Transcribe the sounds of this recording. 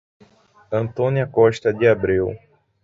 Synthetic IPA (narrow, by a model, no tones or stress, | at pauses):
ɐ̃nt̪õniɐkɔʃt̪ɐd͡ʒ̪ɪabɾiw